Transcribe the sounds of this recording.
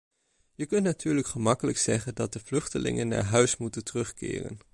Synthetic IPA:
jəkɵntnatʰyːɹləkχəmɑkələksɛχəndɑt̚dəv̥lɵχtəlɪ̰ŋənːa̰ːɹɦœɥsmutəntərɵχkɪ̰ːrə̰n

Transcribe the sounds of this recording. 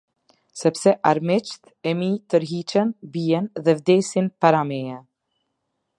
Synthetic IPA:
sɛpsɛʔaɾmɪt͡ʃt̪ | ɛmit̪əɾɦit͡ʃɛnbiɛnðɛvd̪ɛsinpaɾamɛa

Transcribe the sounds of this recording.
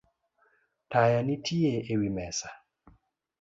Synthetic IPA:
tajanitʰieewimɛsḁ

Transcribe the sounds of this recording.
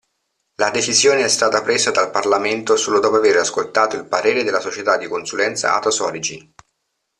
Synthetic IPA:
lad̪et͡ʃizjoːneɛst̪aːt̪apɾeːzad̪alparlament̪osoːlod̪ɔːpoaveːɾaskolt̪aːt̪oilpaɾeːɾed̪elasot͡ʃet̪ad̪ːikonsulɛnt̪sa̰a̰t̪osɔɾid͡ʒin

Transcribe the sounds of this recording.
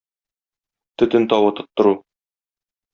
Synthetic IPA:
t̪ɵ̆t̪ɘnt̪ɒwɤt̪ɤ̆t̪ːɤ̆ɾu

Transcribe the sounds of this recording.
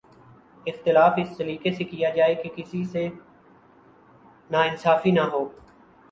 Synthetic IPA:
ɪxt̪ɪlaːfɪsːəɾiːkesekijaːd͡ʒaːekekɪsise | naːɪnsaːfinaɦoː

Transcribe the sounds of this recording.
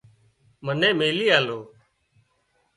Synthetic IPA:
mənẽːmeːliːaːloː

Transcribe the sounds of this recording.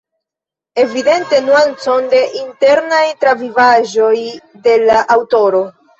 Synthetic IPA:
e̞vide̞nte̞nuant͡so̞nde̞ʔinte̞ɾnajtɾavivaʒo̞j | de̞laʔawto̞ɾo̞

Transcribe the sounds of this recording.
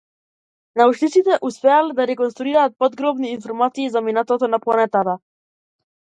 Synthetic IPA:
naut͡ʃlit̪sit̪ɛʔuspɛalɛd̪aɾɛkɔnst̪ɾuiɾaːt̪̚pɔd̪ɡɾɔbniːnfɔɾmat̪siːzaminat̪ɔt̪ɔnaplˠanɛt̪at̪a

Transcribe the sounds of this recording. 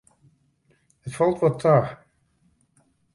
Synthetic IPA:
ətfɔlˠtʋɔtʰːaː

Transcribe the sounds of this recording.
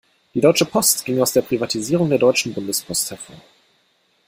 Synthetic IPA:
d̥iːdɔʏt͡ʃəpʰɔstɡ̥ɪŋaʊsd̥eːɐpʁ̥ivatʰiziːʁ̞ʊŋdeːɐdɔʏt͡ʃn̩bʊndəspʰɔsthɛɐfo̰ːɐ

